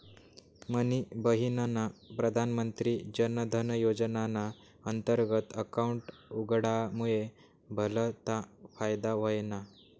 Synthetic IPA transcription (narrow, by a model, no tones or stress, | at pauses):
mənibəɦinanapɾəd̪ʱanmənt̪ɾiːd͡ʑənəd̪ʱənəjod͡zənana | ənt̪əɾɡət̪əkauɳʈuɡɽamuɭe | bʱələt̪afajd̪aʋəjna